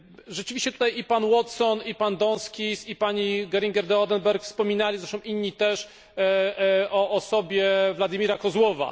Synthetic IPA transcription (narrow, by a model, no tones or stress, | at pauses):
ʐɛt͡ʂɘvʲiɕt͡ɕɛt̪ut̪ajipanwɔt̪sɔnipand̪ɔnskʲisipaɲiɡɛɾʲiŋɡʲɛɾd̪ɛɔd̪ɛnbɛɾkfspɔmʲinalʲizɾɛʂt̪ɔ̃w̃ʔiɲːit̪ɛʂ | ɔʔːsɔbʲjɛvlad̪imʲiɾakɔzwɔva̰